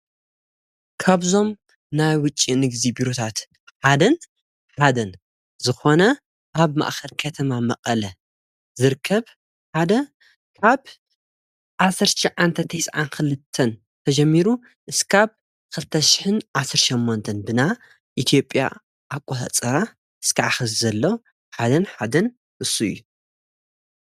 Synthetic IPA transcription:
kʰaβzo̞m | najwʊt͡ʃʼːinɨɡzibiɾo̞t̪ʰat̪ | ħad̪ɐn | ħad̪ɐn | zɨxo̞nɐ | ʔaβma̰ʔxɐlkʰɐt̪ʰɐmamɐ̰χʼɐlɐ | zɨɾkʰːɐβ | ħad̪ɐ | kʰaβ | ʔasɐɾʃɐʕant̪ʰɐt̪ʰɐjsʕankɨlɨt̪ʰːɐn | t̪ʰɐd͡ʒɐmːiɾu | ʔɨskʰaβ | kʰɨlɨt̪ʰɐʃɪ̥ħɨnʔasɨɾʃɐmːont̪ʰɐnbɨna | ʔit̪ʰjo̞pʼːja̰ | ʔakʷʼohɐ̰t͡sʼɐɾa | ʔɨskʰaʕaxɐzzɐlːow | ħad̪ɐnħad̪ɐn | ʔɨsːuɨ̰jːu

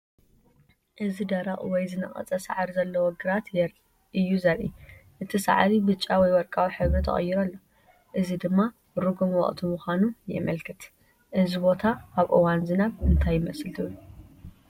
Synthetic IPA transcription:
ʔɨzid̪ɐɾɐχʼwɔjzɨnɐ̰χʼɐ̰t͡sʼɐsa̰ʕɾizɐlːɐwoɡɨɾat̪ɾ | ɨjːuzɐɾʔḭʔɨt̪ʰisa̰ʕɾibɨt͡ʃʼːawɔjwɔɾkʼawiħɨβɾit̪ʰɐ̰χʼɐ̰jːiɾɐlːo̞ | ʔɨzid̪ɨmːa | ɾuɡumwɔ̰χʼt̪ʰumuxʷanujɛ̰mɐlkʰɨt̪ | ʔɨzibo̞t̪ʰaaβʔɨ̰wanzɨnaβɨnt̪ʰajːɪmɐslt̪ʰɨu

